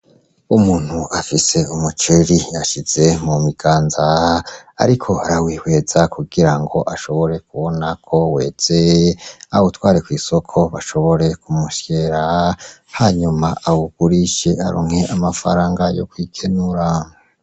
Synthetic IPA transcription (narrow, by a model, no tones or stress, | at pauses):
umuːn̥huʔafise̞umut͡ʃiɾiaʃiz̥e̞mumiɡ̥aːnza | a̰ɾikʰo̞aɾawiːhwe̞z̥akuɡiɾaŋɡo̞ʔaʃo̞βo̞ɾe̞kuβo̞nakʰo̞we̞̰ːz̥eautwaːɾekwiːso̞kʰo̞βaʃo̞βo̞ɾe̞kumuʃje̞ɾa | haːɲumaʔawuɡ̥uɾiʃe̞aɾṵːŋ̥he̞ʔamafa̰ɾaːŋɡajo̞̰kwikʰenuɾa